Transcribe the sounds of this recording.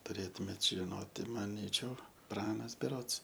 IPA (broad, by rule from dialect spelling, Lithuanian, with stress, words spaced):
tʊˈrʲeːtʊmʲeːt ʒʲɪˈnoːtʲɪ mɐˈnʲiːt͡ʃʲɛʊ ˈprɑːnɐs bʲɛˈroːts